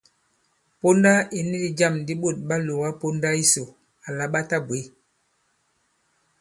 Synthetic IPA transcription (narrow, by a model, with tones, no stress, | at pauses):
po˦nda˦i˨ni˦di˨d͡ʒa˦˨mdi˦ɓo˦˨t̚ɓa˦lo˨wa˦po˦nda˦i˦so˨ | a˨la˨˦ɓa˦ta˦bwe˨˦